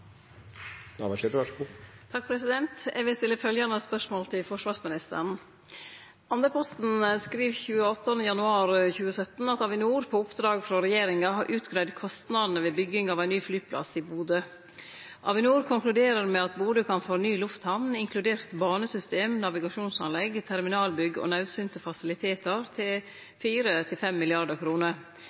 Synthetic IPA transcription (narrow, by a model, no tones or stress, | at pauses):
nɑʋɑʃeʋɑut̪ʰɑk̚pʰɾɛsɪd̪ɛnt̪ɛ̰ɡʋɪlst̪ɪlːəfœljɑnəspœʂmoːlt̪ʰɪlfɔʂʋɑːɾsmɪnɪst̪ə̰ɾɳ̩ | ɑnd̪əpʰɔst̪n̩skɾiːʋçʉːəɔt̪ːɑnəjɑnʉɑːɾçʉːəsœt̪n̩ɑt̪ɑʋɪnuːɾpʰoːʊpd̪ɾɑːɡfɾɔɾɛjeːɾɪŋɑhɑɾʔʉːt̪ɡɾæɪd̪kʰɔst̪nɑd̪n̩əʋeːbʏɡɪŋɑːʋæɪnyːflyːpʰlɑ̰sibuːd̪ə | ʔɑʋɪnuːɾkʰʊŋklʉd̪eːɾəɾmɛɑt̪buːd̪əkʰɑnfoːnyːlʊft̪hɑʋnɪŋkʰlʉd̪eːɾt̪bɑːnəsʏst̪eːmnɑʋɪɡɑʂuːnsɑ̰nlɛɡt̪ʰæɾmɪnɑːlbʏɡəo̰ːnɑʉsynt̪əfɑsɪlɪt̪ʰeːt̪əɾt̪ʰɪl | fiːɾət̪ʰɪlfɛmːɪlɪɑɖəkʰɾuːnəɾ